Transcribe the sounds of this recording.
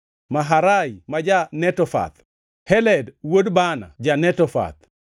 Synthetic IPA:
maɦaɾajmad͡ʒanɛtɔfa̰t̪̚ | hɛlɛdwodbana̰d͡ʒanɛtɔfa̰t̪̚

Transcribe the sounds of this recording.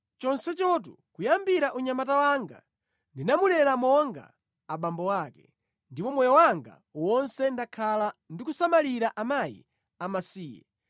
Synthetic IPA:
t͡ʃɔnsɛt͡ʃɔt̬ukujambiɾaʔuɲamatawaŋɡa̰ | ndinamulɛɾamɔŋɡa̰ | aɓambɔwaːkɛ | ndipɔmɔjɔwaŋɡa̰ | wɔnsɛndakʰalandikusamaliɾaʔamajḭ | amasiːjɛ̰

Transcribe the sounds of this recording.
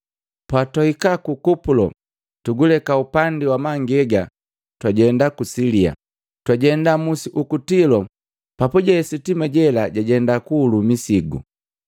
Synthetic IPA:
pwatɔhikakukupulɔ̰ | tuɡulɛkaupandiwamaŋɡɛɡa | twaɟɛndakusilia̰ | twaɟɛndamusiʔukutilɔ | papuɟɛɛsitimaɟɛlaɟaɟɛndakuːlumisiɡṵ

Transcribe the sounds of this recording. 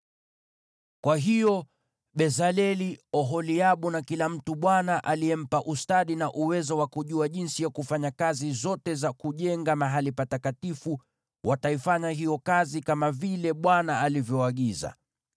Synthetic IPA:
kwaɦijɔ | ɓɛzalɛliɔɦɔliaɓunakilam̩tuɓwanaʔaliɛm̩paʔustaɗinaʔuwɛzɔwakuʄuaʄinsijakufaɲakazizɔtɛzakuʄɛŋɡamaɦalipatakatifu | wʔataifaɲaɦijɔkazikamavilɛɓwanaalivjɔaɠiza̰

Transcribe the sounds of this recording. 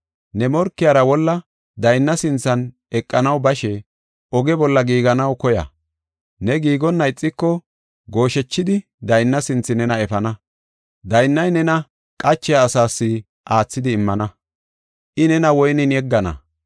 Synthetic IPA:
nɛmɔɾkːɪjɐɾɐwɔlːɐ | d̪ɐjnːɐsɪnt͡sːɐn | ɛkʼːɐnɐwbɐʃɛ | ʔɔɡɛbɔlːɐɡiːɡɐnɐwkɔjɐ̰ | nɛɡiːɡɔnːɐjɪt͡sʼːɪkːɔ | ɡo̞ːʃɛt͡ʃːɪd̪ɪ | d̪ɐjnːɐsɪnt͡sːɪnɛnɐɛfɐnɐ | d̪ɐjnːɐjnɛnɐ | kʼɐt͡ʃːɛjaːsaːsːɪ | ʔaːt͡sːɪd̪ɪːmːɐnɐ | ʔɪnɛnɐwɔjnɪnjɛɡːɐnɐ̰

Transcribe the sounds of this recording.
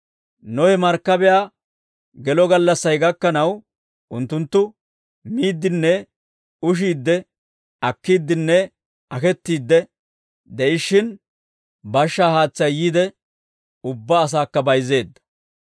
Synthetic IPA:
nɔhɛmɐɾkːɐbɛjaː | ɡɛlɔɡɐlːɐsːɐjɡɐkːɐnɐw | ʔʊnt̪ːʊnt̪ːʊ | miːd̪ːɪnːɛ | ʊʃ̬iːd̪ːɛ | ɐkːiːd̪ːɪnːɛ | ɐkɛt̪ːiːd̪ːɛ | d̪ɛʔɪʃːɪn | bɐʃːaːhaːt͡sːɐjːiːd̪ɛ | ʊbːaːs̬aːkːɐbɐjze̞ːd̪ːɐ̥

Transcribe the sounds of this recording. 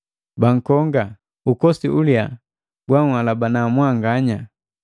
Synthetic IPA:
baŋ̩kɔŋɡa | ukɔsiʔulja | ɡwaŋhalabanamwaŋɡaɲa

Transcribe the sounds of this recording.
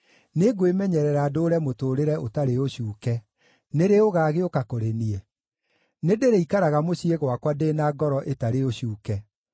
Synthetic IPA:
neɡoemɛɲɛɾɛɾaːdoːɾɛmotoɾeɾɛotaɾeoɕuːkɛ | neɾeoɣaːɣeokakoɾeniɛ | nedeɾeikaɾaɣamoɕieɣwakwadeːnaːɡɔɾɔʔetaɾeoɕuːkɛ

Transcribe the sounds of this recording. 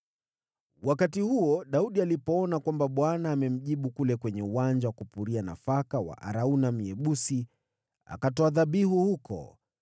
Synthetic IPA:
wakatihuɔɗauɗialipɔɔnakwambaɓwanaːmɛm̩ʄiɓukulɛkwɛɲɛuwand͡ʒawakupuɾiana̰fakawa̰ʔa̰ɾaunam̩ɛɓusi | a̰katɔaðaɓihuhukʰɔ̰

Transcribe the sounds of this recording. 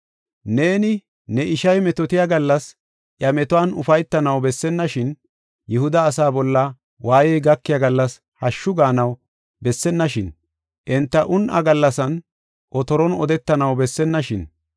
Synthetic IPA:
ne̞ːnɪ | nɛɪʃɐjmɛt̪ɔt̪ɪjaɡɐlːɐs | ʔjɐmɛt̪ʊwanʊfɐjt̪ːɐnɐwbɛsːɛnːɐʃɪn | jɪhʊd̪ɐːsaːbɔlːɐ | wʔaːjɛjɡɐkːɪjaɡɐlːɐs | hɐʃːʊɡaːnɐw | bɛsːɛnːɐʃɪn | ʔɛnt̪ːɐʔʊnʔɐ̰ɡɐlːɐsɐn | ʔɔt̪ɔɾɔnɔd̪ɛt̪ːɐnɐwbɛsːɛnːɐʃɪn

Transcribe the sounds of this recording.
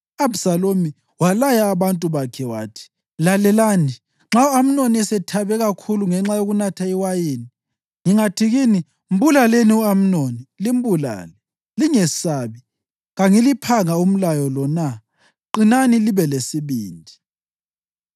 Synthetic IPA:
absalomi | walajaːβantʼuβakʰɛwaːtʰi̥ | lalɛlani | ŋ͡ǁauam̩noniɛsɛtʰaβɛɣakʰuluŋɛŋ͡ǁajoɣunatʰaiwajeni | ŋiŋatʰiɣini | m̩bulaleniuam̩nonilim̩bula̰ːlɛ | liŋɛsaβi | ɣaŋilipʰaŋaum̩lajɔlɔna | ǃinaniliβɛlesiβiːndʱi

